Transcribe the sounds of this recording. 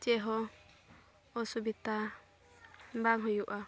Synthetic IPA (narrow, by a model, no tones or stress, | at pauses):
d͡ʒɛɦɔ | ɔsubit̪a | baŋɦɔjuʔa